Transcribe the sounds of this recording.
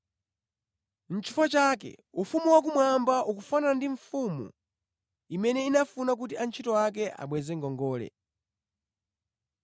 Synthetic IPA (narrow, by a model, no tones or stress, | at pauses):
n̩t͡ʃʰi̥fat͡ʃakɛ̰ufumuwak̬umwambaʔukufanandiɱ̩fumṵ | imɛnɛinafunak̬utiant͡ʃʰitɔwak̬ɛʔa̰ɓwɛzɛŋɡɔŋɡɔːlɛ̰